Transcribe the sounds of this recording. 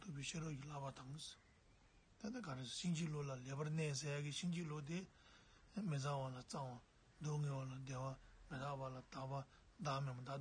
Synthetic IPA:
t̪ʰupeɕʰeɾocilapat̪ʰaŋs | t̪ad̪akʰaɾesɕiŋd͡ʑiʔlolaleːpaneːs̬ejakiɕiŋd͡ʑilot̪̬e | mid͡zaʔwalat͡saŋwa | d̪oŋeːwalad̪eːwamed̪aʔpalat̪apa | d̪amebad̪a

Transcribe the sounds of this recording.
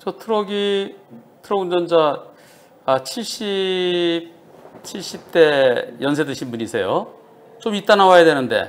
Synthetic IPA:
t͡ɕʌtʰɯɾʌɡi | tʰɯɾʌɡɯnd͡ʑʌnd͡ʑa | at͡ɕʰiɭɕ͈i | p̚ | t͡ɕʰiɭɕ͈ip̚t͈e̞jʌns̬ʰe̞dɯɕʰinbuɲisʰe̞jo | t͡ɕomit͈anawajadwe̞nɯnde̞̰

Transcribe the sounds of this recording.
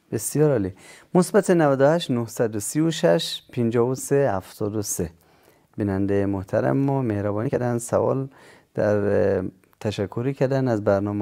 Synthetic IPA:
b̥esjɒɾɒli | mosbæt̪ʰenævæd̪ʊhæʃt̪nohsæd̪usiuʃæʃpʰind͡ʒɒːvusehæft̪ʰɔd̪ose | binænd̪ejmoht̪ʰæɾæ̰mmɔmehɾæbɔːnikʰæd̪ænsæ̰vɒ̰ld̪̥æɾ | t̪ʰæʃækʰːuɾikʰæɾd̪ænæzbæɾnɔm

